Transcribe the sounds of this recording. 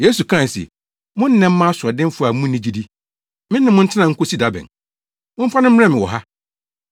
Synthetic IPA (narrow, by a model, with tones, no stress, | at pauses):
je˦su˨kʰã˦˨n˨sḭ˨ | mʊ̃˦n̩˦nɛ̃˨m̩˦mã˦sʊ˨ɔ˨dɪ̃˦m˦fʊ˦a˨mũː˦ĩ˦d͡ʑi˦di˦ | mɪ̃˦nːɪ̃˨mʊ̃˦n̩˦tʰɪ˦nã˨ŋ̩˦kʰo˦si˦da˦bɛ̰̃˨n | mʊ̃˦m̩˦fa˦nʊ̃˦m̩˦a˦mɪ̃˨wɔ̰˨ɦa˦